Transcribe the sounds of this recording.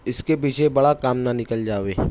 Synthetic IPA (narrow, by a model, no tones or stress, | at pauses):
ɪskepiːt͡ʃʰebɐɽakaːmnanɪkəld͡ʒaːʋeː